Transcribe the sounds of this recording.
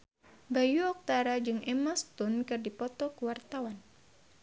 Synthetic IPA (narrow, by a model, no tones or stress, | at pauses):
bajuɔk̚t̪aɾad͡ʒɨŋʔɛmɔst̪unkɨrdipɔt̪ɔkuwart̪awan